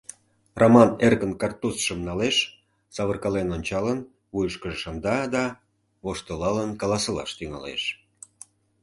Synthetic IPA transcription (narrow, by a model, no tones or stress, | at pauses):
rʔomɑnerɣənkɑrt̪usʃəmnɑleʃ | sɑβərkɑlenonʲt͡ɕɑlən | βujəʃkəʒeʃɑnd̪ɑd̪ɑ | βoʃt̪əlɑlənkɑlɑsə̆lɑ̰ʃt̪yŋɑ̰lḛʃ